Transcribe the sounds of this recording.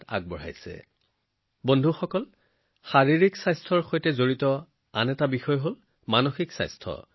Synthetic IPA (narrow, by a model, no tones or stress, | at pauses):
ta̰ɡ̚bɔɹa̰jsɛ̰ | bondʱuxɔkɔl | xaɹiɹiksajstʰɔɹxojtɛzoɹitɔ | a̰nɛtabixɔjɔɦol | manoxiksa̰jstʰɔ̰